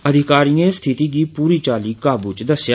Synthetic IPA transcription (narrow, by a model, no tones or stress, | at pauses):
əd̪ʱɪkaːɾijẽst̪ʰɪt̪iːɡiːpuːɾiːt͡ʃaːliːkaːbuːt͡ʃd̪əsj